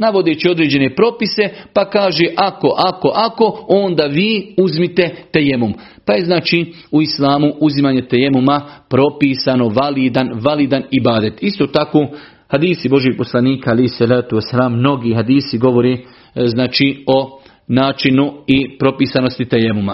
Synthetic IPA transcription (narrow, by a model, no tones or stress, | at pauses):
naʋo̞d̪et͡ɕio̞d̪ɾeːd͡ʑe̞ne̞pɾo̞pise̞pakaːʒeʔako̞ʔako̞ʔako̞ond̪aːʋiːuzmit̪e̞t̪ejemum | paje̞znaːt͡ʃiː | uislaːmuʔuzimaːɲe̞t̪ejemumapɾo̞piːsano̞ʋaliːd̪anʋalid̪anibaːd̪et̪ist̪o̞ːt̪akoː | had̪iːsibo̞ʒjeɡ̚po̞slaniːkaalejhisalaːt̪uwasalaːmːno̞ɡiːɦad̪iːsiɡo̞ʋo̞ɾeː | znaːt͡ʃiːo̞ | naːt͡ʃinuipɾo̞piːsano̞st̪it̪ejemuma